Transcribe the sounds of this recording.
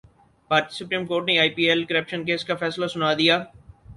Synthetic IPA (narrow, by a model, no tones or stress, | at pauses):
paːɾsʊpɾiːmkoːɾʈneaːipiːelkɐɾəpʃənkeːskafɛːslasʊnaːd̪ijaː